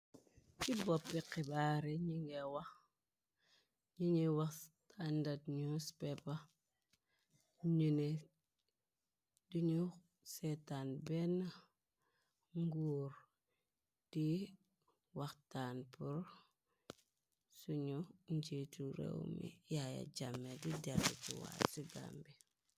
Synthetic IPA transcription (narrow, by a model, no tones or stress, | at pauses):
kibopːikibaɾiɲiŋɡewax | ɲiɲewaxtandatɲuspepa | ɲune | duɲu | setanbena | ŋɡuːɾ | d̥i | waxtaːnpuɾ | suɲuɲd͡ʒituɾḛwmḭjaja̰d͡ʒamːedidadṵt͡ʃiwa̰siɡa̰mbi